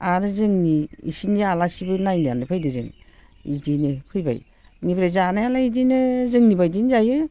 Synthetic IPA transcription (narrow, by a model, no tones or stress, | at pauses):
anɯzɯŋniḭsinialasibɯnajnianɯpʰɯjdɯzḛŋ | idinepʰɯjba̰j | nipʰɾezanajalaidinɯzɯŋnibajdinzajɯ